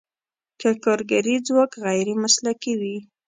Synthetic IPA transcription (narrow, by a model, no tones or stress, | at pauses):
kakɑɾɡaɾid͡zwokɣajɾemaslakiwi